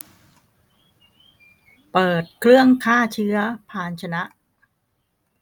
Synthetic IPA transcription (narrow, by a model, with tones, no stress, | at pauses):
pɤː˨˩t̪̚kʰɾɯ˥˩əŋkʰaː˥˩t͡ɕʰɯ˦˥ɐpʰaː˧˩nt͡ɕʰa˧na˦˥ʔ